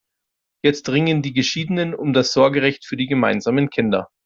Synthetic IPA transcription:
jɛt͡stʁɪŋəndiːɡəʃiːdənənʊmdasz̥ɔɐɡəʁɛçtfyːɐdiɡəmaɪnzaːmənkʰɪndɐ̰

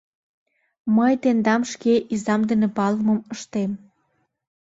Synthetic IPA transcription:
məjt̪end̪ɑmʃkeʔizɑmd̪ənĕpɑlməməʃt̪em

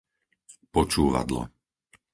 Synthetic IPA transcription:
pɔt͡ʃuːʋa̰d̪lɔ̰

